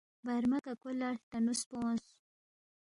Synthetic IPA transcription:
baɾmakakolaɽt̪anuspõs

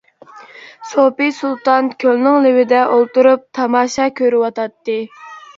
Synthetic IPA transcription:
sopisulˠt̪ɑnkʲʰølnɪŋlɪwɪd̪ɛʔolˠt̪uɾup̚t̪ʰɑmɑːʃɑːkʲʰøɾɪwɑt̪ɑt̪ːɨ

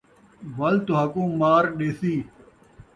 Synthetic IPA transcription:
ʋɐlt̪oɦɐkũːmaːɾɗeːsiː

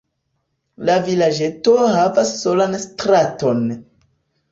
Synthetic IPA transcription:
lavilad͡ʒe̞toɦavasːo̞lanstɾato̞n

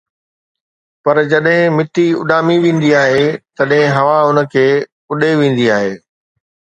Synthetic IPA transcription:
pɐɾd͡ʑɐɗɦɪ̃mɪt̪iʊ̰ɗaːmiʋẽːn̆d̪iaːɦeːt̪ɐɗɦɪ̃ɦɐʋaɦʊnə̆kʰeː | ʊɗeʋẽːn̆d̪iaːɦeː

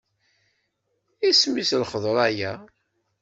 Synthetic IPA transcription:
ismislχəðˤɾˤæjæ

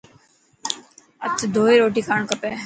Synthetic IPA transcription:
ə̰t̪ʰd̪ʱoːiɾoːʈ̬iːkʰaːɳkəpeː

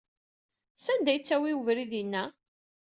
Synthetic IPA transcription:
sænd̪æjt͡sːæwiəvɾiðinːæ

